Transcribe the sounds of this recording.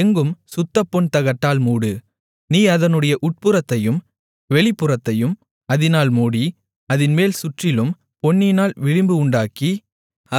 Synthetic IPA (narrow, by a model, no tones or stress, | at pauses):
ɛŋɡɯmsʊt̪ːɐpːɔɳt̪ɐɣɐʈːaːlmuːɽɯ | niːɐðɐnɯɽɐjɐʔʊʈ̚pɯɾɐt̪ːɐjɯm | ʋɛɭɪpːɯrɐt̪ːɐjɯm | ɐðɪnaːlmuːɽi | ɐðɪnmeːlsʊʈrɪlɯm | pɔɳːɪnaːlʋɪɻɪmbɯʊɳɖaːki | ɐ